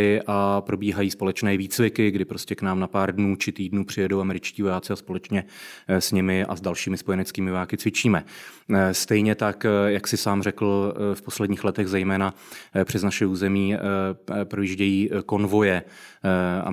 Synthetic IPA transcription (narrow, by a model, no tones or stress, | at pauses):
ɪʔapɾo̞biːɦajiːspo̞lɛt͡ʃnɛːviːt͡svɪkɪɡdɪpɾo̞scʲɛknaːmnapaːɾdnuːt͡ʃɪt̪iːdnuːpr̝̥ɪjɛdowamɛɾɪt͡ʃciːvo̞jaːt͡sɪaspo̞lɛt͡ʃɲɛsɲɪmɪʔa̰zdalʃiːmɪspo̞jɛnɛt͡skiːmɪvojaːkɪt͡svɪt͡ʃiːmɛ | st̪ɛjɲɛt̪akjaksɪsaːmrɛkl̩fpo̞slɛdɲiːxlɛt̪ɛɣzɛjmɛːna | pr̥ɛznaʃɛuːzɛmiː | pɾojiʒɟɛjiːko̞nvo̞jɛ | a̰